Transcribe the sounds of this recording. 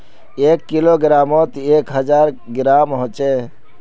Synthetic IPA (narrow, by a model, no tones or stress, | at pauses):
eːkːiloːɡɪɾaːmoːt̪eːkɦəd͡ʒaːɾ | ɡɪɾaːmɦõt͡ʃeː